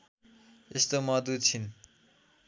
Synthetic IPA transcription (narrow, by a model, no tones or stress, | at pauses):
est̪omʌd̪ut͡ɕʰin